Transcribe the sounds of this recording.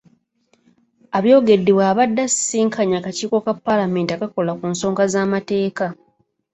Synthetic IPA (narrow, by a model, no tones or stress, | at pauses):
aβjo̞ːɡe̞dːeβwaːβadːassːiːŋkʰaɲaːkaciːko̞kapːalame̞ːntiakako̞lakuːnso̞ːŋɡazaːmate̞ːka